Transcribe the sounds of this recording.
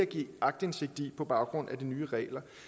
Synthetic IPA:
æɡ̥ḭːɑ̈ɡ̥̚d̥e̝nse̝ɡ̥̚d̥ipʰɒ̽b̥ɑ̈ʊɡ̥ʁɔ̽n̰æd̥inyːʁɛ̰ːlɐ

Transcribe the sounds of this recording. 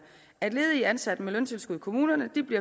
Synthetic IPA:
æd̥le̝ːð̞̩ˠəiænsæd̥əmelønt͡sʰe̝lsɡ̥uðˠkʰo̝muːnɐnəd̥ib̥liɐ

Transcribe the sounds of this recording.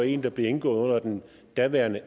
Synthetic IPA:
e̝̰ːnd̥ɑ̈b̥le̝e̝nɡ̥ɔ̽ːð̞̩ˠɔ̽n̰ɐd̥en | d̥æʋæɐnə

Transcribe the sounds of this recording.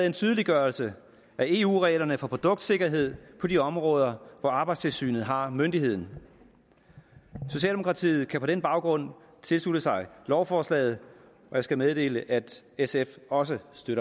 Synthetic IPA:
ð̩ˠent͡sʰyːð̞ˠəliɡ̥ɶɐlsə | æe̝ːṵːʁɛɪlɐnəfɒ̽pʰʁo̝d̥ɔ̽ɡ̥d̥se̝ɡ̥ɐɦe̝ð̞̰ˠpʰɒ̽diɒ̽mʁɔ̽ːð̞ˠɐʋɒɑ̈ːb̥ɑ̈ɪd̥st͡sʰe̝lsy̰ːnð̩ˠɦɑ̈mønd̥ihe̝ð̰ˠn̩ | so̝ɕ̬ɛ̰ːlde̝o̝kʰʁɑ̈t͡sʰḭːð̞̩ˠkʰæpʰɒ̽d̥enb̥ɑ̈ʊɡ̥ʁɔ̽n̰ | t͡sʰe̝lslud̥əsɑ̈ɪlɒʊfɒːslɛ̰ːɪð̩ˠ | ɒ̽jäsɡ̥æmeðˠd̥e̝̰ːləʔæd̥ | esefɒ̽səsd̥øɾ̥ɐ

